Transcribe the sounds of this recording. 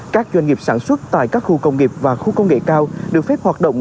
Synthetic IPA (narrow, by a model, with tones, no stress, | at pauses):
kaː˦˥k̚t͡ɕwa˧jnŋi˨˩p̚saː˧˩nswə˦˥t̚t̪a̰ː˧˨jkaː˦˥k̚xu˧kə˧wŋ͡mŋi˨˩p̚vaː˨˩xu˧kə˧wŋ͡mŋḛ˧˨kaː˧wɗɨ˨˩ək̚fɛ˦˥p̚hwaː˨˩t̚ɗə̰˧˨wŋ͡m